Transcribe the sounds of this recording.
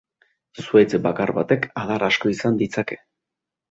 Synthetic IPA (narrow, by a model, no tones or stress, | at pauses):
suet͡sbakarβat̪e̞kaðarasko̞isand̪it͡sake̞̥